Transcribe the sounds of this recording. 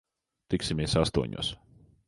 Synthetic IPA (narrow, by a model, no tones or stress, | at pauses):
t̪iksimieɛsast̪uɔɲṵs